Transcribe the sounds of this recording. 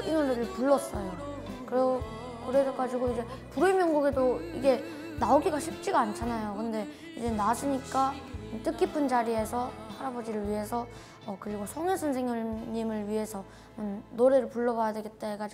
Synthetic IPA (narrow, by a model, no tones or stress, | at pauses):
inoɾeɾɯɭpuɭːʌs͈ʌjo | kɯɾ | kɯɾeɡeɡad͡ʑiɡoid͡ʑe̞ | puɾɯmjʌnɡuɡedoiɡe̞ | naoɡiɡaɕʰip̚t͡ɕ͈iɡaːnt͡ɕʰanajokɯnde̞ | id͡ʑe̞nasʰɯɲik͈at͈ɯk͈ipʰɯnd͡ʑaɾie̞sʰʌhaɾabod͡ʑiɾɯɭɥiɦe̞sʰʌ | ʌkɯɾiɡosʰʌŋesʰʌnsʰeŋjoɲimɯɭɥiɦe̞sʰʌ | mnːoɾe̞ɾɯɭpuɭːʌbajadwe̞ɡe̞t̚t͈aeɡad͡ʑi